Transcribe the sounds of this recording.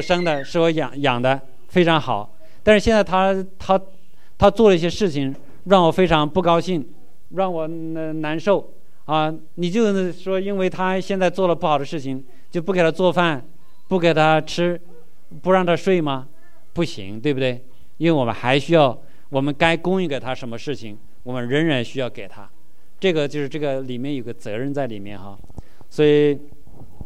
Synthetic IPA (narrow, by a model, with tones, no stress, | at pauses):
ʂɤ˥ŋd̪ə˨ʂɻ̩˥˩wɔ˧˥jɑ˨˩ŋjɑ˨˩ŋd̪ə˦ | fe˥ɪʈ͡ʂʰɑ˧˥ŋxɑ˨˩˦ʊ | t̪a˥˧ʂɻ̩˥ɕjɛ˥˧nt͡sa˥˧ɪt̪ʰa˥t̪ʰa˥ | t̪ʰa˥t͡swɔ˥˩lə˩i˥˩ɕjɛ˥ʂɻ̩˥˩t͡ɕʰi˧˩ŋ | ɻɑ˥˩ŋwɔ˨˩fe˥ɪʈ͡ʂʰɑ˧˥ŋpu˥˩kɑ˥ʊɕi˥˩ŋ | ɻɑ˥˩ŋwɔ˨˩˧ | na˧˥nʂo˥˩ʊ | a˥˧ | ni˨˩t͡ɕjo˥˧ʊ˥˩ʂwɔ˥i˥nwe˥˩ɪt̪ʰa˥ɕjɛ˥˧nt͡sa˥˧ɪt͡swɔ˥˩lə˩pu˩xɑ˨˩ʊd̪ə˦ʂɻ̩˥˩t͡ɕʰi˨˩ŋ | t͡ɕjo˥˧ʊpu˥˩ke˨˩ɪt̪ʰa˥t͡swɔ˥˧fa˥˩n | pu˥˩ke˨˩ɪt̪ʰa˥ʈ͡ʂʰɻ̩˥ | pu˥ɻɑ˥˩ŋt̪ʰa˥ʂwe˥˩ɪmɐ˩ | pu˥˩ɕḭ˧˥ŋt̪we˥˩bu˩d̪we˥˩ɪ | i˥nwe˥˩wɔ˨˩mə̰˦nxa˧˥ɪɕy˥jɑ˥˩ʊ | wɔ˨˩mə˦nka˥ɪkʊ˥ŋi˥˩ke˨˩ɪt̪ʰa˥ʂə˧˥nmə˧ʂɻ̩˥˩t͡ɕʰi˨˩ŋ | wɔ˨˩mə˦nɻə˧˥ŋɻa˧˥nɕy˥jɑ˥˩ʊke˨˩ɪt̪ʰa̰˥ | ʈ͡ʂɤ˥˩ɡə˩t͡ɕjo˥˧ʊʂɻ̩˥˧ʈ͡ʂɤ˥˩ɡə˩li˨˩mjɛ˥˩njo˨˩ʊɡə˦t͡sɤ˧˥ɻə˥˧nt͡sa˥˩ɪli˨˩mjɛ̰˥˩nxa˥˧˩ | swɔ˧˥i˨˩˦